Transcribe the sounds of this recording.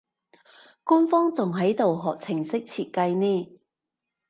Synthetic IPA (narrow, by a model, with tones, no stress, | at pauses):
kuː˥nfɔː˥ŋt͡sʊ˨ŋɦɐ˨˥jt̪o˨wɦɔː˨k̚t͡sʰɪ˨˩ŋsɪ˥k̚t͡sʰiː˨t̚kɐ˧jniː˥˩